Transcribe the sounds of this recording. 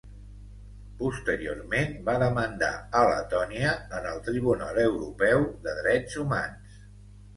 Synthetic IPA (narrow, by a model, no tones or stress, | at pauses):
pust̪əɾio̰rmenbaðəmənd̪a̰ələ̰t̪ɔniəːnəlˠt̪ɾiβ̞unaləwɾupɛwðəðɾɛd͡zuma̰ns